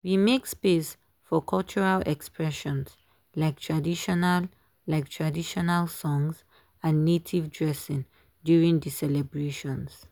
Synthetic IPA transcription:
wimekspes | fɔkʰʌlt͡ʃɔɹalɛkspɹɛʃɔ̃ns | laɪk̚tʰɹadiʃɔnal | laɪk̚tʰɹadiʃɔnalsɔ̃ŋz | ãnːetʰivdɹɛsɪ̃ŋ | djuɹĩŋdisɛlɛbɹeʃɔ̃ns

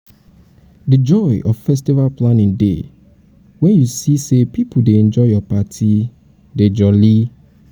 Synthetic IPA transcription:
did͡ʒɔɪʔɔv̥fɛs̬tivalplanĩŋdḛ | wɛ̃njusisepipʰudeɛ̃nd͡ʒɔɪjɔpatʰi | ded͡ʒɔli

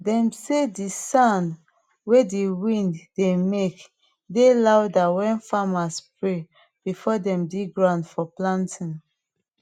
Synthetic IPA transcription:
dɛ̃msedisãn | wediwĩnddemek | delawdawɛ̃nfamaspɹe | b̥ifɔdɛ̃mdiɡɹãʊ̃ndfɔplãntʰĩn

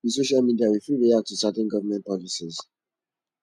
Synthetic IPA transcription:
is̬oʃalmidiaɹifuɹiatusatɛ̃nɡʌvəmɛ̃nt̚pɔlisiz

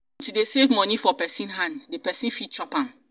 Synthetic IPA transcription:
tudesevmɔ̃nifɔpɛsĩnɦãndepɛsĩnfit̚t͡ʃɔpãm

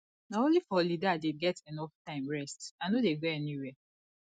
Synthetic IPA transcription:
naõnlifɔlidadeɡɛtʰɛnɔftʰãɪ̃mɹɛstaɪnodeɡoɛniwɛ

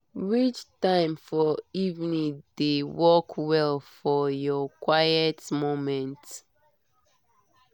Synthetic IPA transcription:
ɹit͡ʃtãɪ̃mfɔivnĩdewɔkʰwɛlfɔjɔkwajətmomɛ̃nt

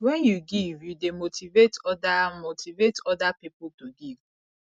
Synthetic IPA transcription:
wɛnjuɡivjudemotʰivetɔdamotivetɔdapipʊtoɡiv

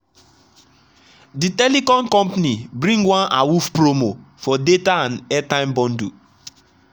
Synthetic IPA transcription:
ditɛlikɔ̃nkɔ̃mpanibɾĩŋɡwãna̰wufpɾomofɔdetaãnɛtãɪ̃mbɔ̃ndu

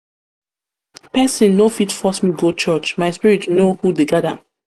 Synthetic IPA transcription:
pɛsĩnnofitfɔsmiɡot͡ʃɔt͡ʃmaɪspiɹitnohudeɡada̰

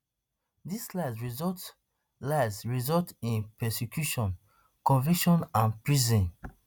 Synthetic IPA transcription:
dislaɪzɹizɔt | laɪzɹizɔltĩnpɛsekjuʃɔ̃n | kɔ̃nvikʃɔ̃nãnpɹizĩn

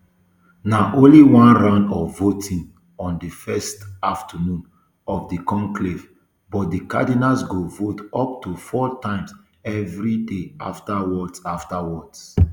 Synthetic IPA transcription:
naʔõnliwãnɹãndɔvotʰĩŋ | ɔ̃ndifɛstaftʰənũn | ɔfdikɔ̃ŋklev | bɔt̚dika̰dinasɡovotɔp̚tufɔtãɪ̃ms | ɛvɹideʔa̰ftawɔdsaftawɔds

